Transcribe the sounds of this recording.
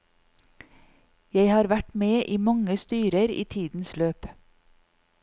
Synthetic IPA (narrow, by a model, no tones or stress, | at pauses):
jæɪhɑːɾʋæʈmeːʔiːmɑŋəst̪yːɾəɾḭːt̪ʰiːd̪n̩sløːp